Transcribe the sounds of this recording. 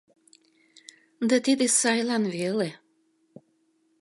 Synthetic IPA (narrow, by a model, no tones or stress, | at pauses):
d̪ɑt̪id̪esɑjlɑnvele